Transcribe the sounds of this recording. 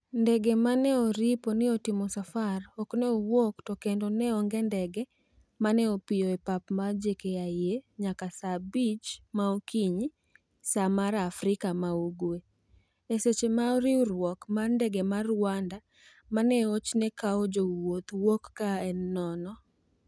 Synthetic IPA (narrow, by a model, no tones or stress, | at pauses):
ndɛɡemanɛoɾiponɪotimɔsafarɔknɛowoktɔkendonɛɔŋɡɛndɛɡɛ | manɛopɪjoepapmad͡ʒekeajeɲakasabit͡ʃmaokiɲ | samaɾafɾɪkamauɡwe | eset͡ʃemaɔɾiwɾwɔkmandɛɡemarwanda | manɛot͡ʃnɛkaɔd͡ʒowot̪wokːaɛnːɔnɔ